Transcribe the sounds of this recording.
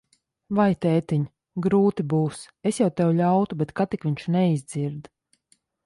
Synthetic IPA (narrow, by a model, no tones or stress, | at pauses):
vajt̪ɛːt̪iɲ | ɡɾuːt̪ibuːs | esjawt̪ɛwʎawt̪ubet̪kat̪ikviɲʃnɛizd̪ziɾd̪